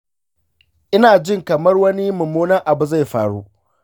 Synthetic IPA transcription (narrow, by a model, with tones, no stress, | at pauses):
ʔɪ˦naː˨d͡ʒɪ˦˨ŋkɐ˨mɐ˦rwɐ˦ni˦mʊ˨muː˦nɐ˦rʔa˨bu˨za˦˨jɸa̰ː˨ɽṵ˦ʔ